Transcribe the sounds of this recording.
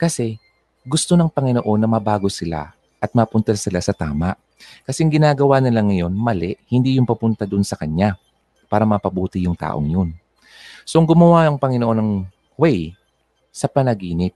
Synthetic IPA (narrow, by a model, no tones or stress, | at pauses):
kɐsɛ | ɡʊst̪o̞nɐŋpɐŋɪnoʔo̞nːɐmɐbaːɡo̞sɪla̰ | ʔɐt̪̚mɐpʊnt̪ɐsɪlasɐt̪a̰ːmaʔ | kɐsɛɐŋɡɪnaːɡɐwaːnɐlɐŋːɐjo̞nmɐlɛʔhɪnd̪iːjʊŋpɐpʊnt̪ɐd̪ʊnsɐkɐɲa | paːɾɐmɐpɐbuːt̪ɪjʊŋt̪a̰ːʔo̞̰ŋjon | so̞ʔɐŋɡʊmɐwaʔɐŋpɐŋɪnoʔo̞nɐŋ | wɛj | sɐpɐnɐɡiːnɪp̚